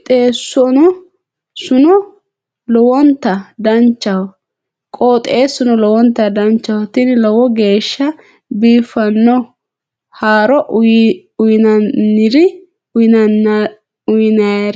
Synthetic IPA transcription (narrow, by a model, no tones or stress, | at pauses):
t̪ʼeːsːɔnɔ | sʊnɔ | lɔwɔnt̪ːɐd̪ɐnt͡ʃːɐwɔ | kʼoːt̪ʼeːsʊnɔlɔwɔnt̪ːɐd̪ɐnt͡ʃːɐwɔt̪ɪnɪlɔwɔɡe̞ːʃːɐ | biːfɐnːɔ | haːɾɔʔ | ʊjɪnɐnːɪɾɪ | ʊjɪnɐɾ